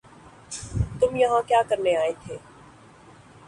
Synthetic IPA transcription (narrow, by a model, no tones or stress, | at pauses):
t̪ʊmjɐɦãkjaːkɐɾneaːet̪ʰeː